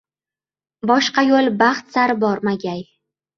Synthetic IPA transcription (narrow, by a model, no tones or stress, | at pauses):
bɒʃqɑjolˠbaχt̪saɾbɒɾmaɡʲaj